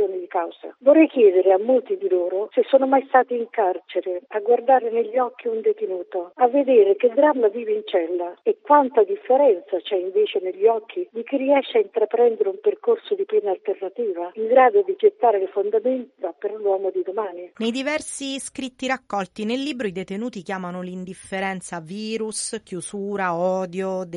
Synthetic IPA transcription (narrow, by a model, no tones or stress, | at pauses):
joːnɪd̪ikawza̰vorːɛjkjɛːd̪eɾɪamːolt̪id̪iloːɾosesːoːnomajst̪aːt̪iːŋkart͡ʃeɾɪaɡward̪aːɾɪneʎːɔk̟ːiund̪et̪enuːt̪oavːed̪eːɾɪkɪd̪ɾamːaviːveint͡ʃɛlːaekːwant̪ad̪ifːeɾɛnt̪sat͡ʃɛiɱveːt͡ʃeneʎːiɔkʰːid̪ik̟irːiɛʃːaint̪ɾapɾɛnd̪eɾeumperkorsod̪ipɛːnalt̪ernat̪iːvaiŋɡɾaːd̪od̪id͡ʒet̪ːaːɾelɪfond̪ament̪aperlwɔːmod̪id̪omaːninejd̪ivɛrsiskɾit̪ːiɾakːɔlt̪inelːiːbɾoid̪et̪enuːt̪ikjaːmanolind̪ifːeɾɛnt̪saviːɾuskjusuːɾaɔːd̪jod̪